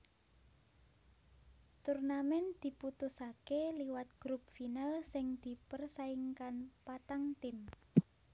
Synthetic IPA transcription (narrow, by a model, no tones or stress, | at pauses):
t̪urnamɛnd̪̥i̤put̪usakeliwat̪̚ɡ̥ɾup̚finalsɪŋd̪̥i̤pərsaɪŋkanpat̪aŋt̪ɪm